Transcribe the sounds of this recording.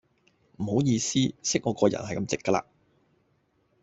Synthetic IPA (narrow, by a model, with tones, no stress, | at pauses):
m̩˨˩ho˨˥wjiː˧siː˥sɪ˥k̚ŋɔː˨˧˥kɔː˧jɐ̰˨˩nhɐ˨jkɐ˧mt͡sɪ˨kːɐː˧la̰ː˧